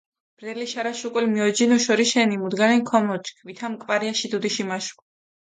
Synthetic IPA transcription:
b̥ɾɛliʃaɾaʃukʼulimiɔd͡ʒinɔʃɔɾiʃɛnimud̪ɡaɾɛnkʰɔmɔt͡ʃʼkʰvit̪ʰamkʼvaɾiaʃid̪ud̪iʃimaʃkʼ

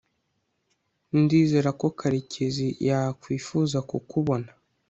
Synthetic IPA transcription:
ndiːze̞ɾako̞kʰaɾicʰezijakwiːfuːzakukuβo̞na

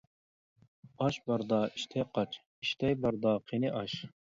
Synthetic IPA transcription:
ɑʃbɑɾd̪ɑːiʃt̪ʰɛjqɑt͡ʃ | iʃt̪ʰɛjbɑɾd̪ɑːqʰenɪʔɑʃ

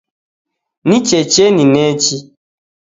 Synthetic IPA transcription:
nĩt͡ʃɛt͡ʃenĩnɛt͡ʃi

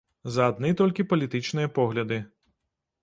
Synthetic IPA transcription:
zɐad̪̚nɨt̪ɔlʲkʲipɐlʲit̪ɨt͡ʂnɨjɐpɔɣlʲɐd̪ɨ

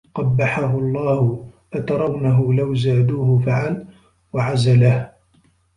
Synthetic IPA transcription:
qɑbːaħaɦʊɑlˤːɑːhʊfat̪ɑɾˤɑwnaɦʊlawzaːd̪uːhʊfaʕal | waʕazalah

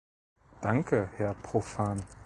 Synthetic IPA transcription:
d̥aŋkʰəhɛɐpʁ̥ofaːn

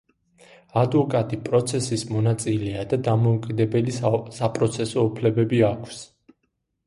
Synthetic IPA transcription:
ad̪vɔkʼat̪ʼipʼɾɔt̪sʰɛsismɔnat̪sʼilɛad̪ad̪amɔukʼid̪ɛbɛlisapʼɾɔt̪sʰɛsɔupʰlɛbɛbiakʰws

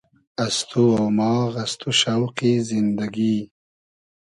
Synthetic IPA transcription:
ast̪ʰuawmɑːɣast̪uʃawqizɪnd̪aɡi

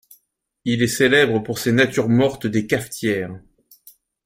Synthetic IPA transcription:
ilɛselɛbʁəpuʁsenat̪yʁmɔʁt̪d̪ekaft̪jɛːʁ

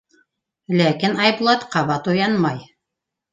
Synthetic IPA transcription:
lækinɑjblˠɑt̪qɑβɑt̪ujɑnmɑj

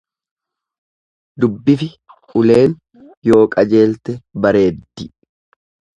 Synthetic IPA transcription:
d̪ʊbːɪfɪ | ʊle̞ːn | jo̞ːkʼɐd͡ʒe̞ːlt̪ɛbɐɾe̞ːd̪ːɪ

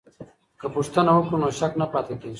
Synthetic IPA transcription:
kəpuʂt̪ənawokɽunoːɕɐknapaːt̪et̪e

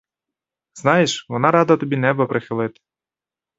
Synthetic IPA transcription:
z̥nɑjeʃʋɔnɑɾɑd̪ɐt̪ɔbʲinɛbɐpɾɪxɪlˠɪt̪ɪ̥

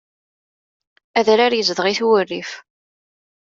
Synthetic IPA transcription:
æðɾaɾjəzðʁiθuwərːif

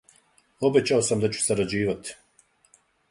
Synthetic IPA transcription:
o̞be̞t͡ɕao̞samd̪at͡ɕu̥saɾad͡ʑiːʋat̪i̥

